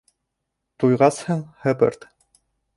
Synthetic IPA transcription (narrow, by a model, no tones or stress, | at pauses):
t̪ujʁɑshɤɴhɘ̆bɘ̰ɾt̪